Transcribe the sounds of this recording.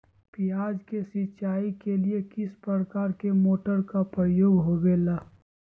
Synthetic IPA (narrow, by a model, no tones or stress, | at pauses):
pijaːd͡ʒkesɪt͡ʃaːikeliekɪspɾəɾkaːɾkemoːʈəɾkapɾəjoːɡɦoɡeːlaː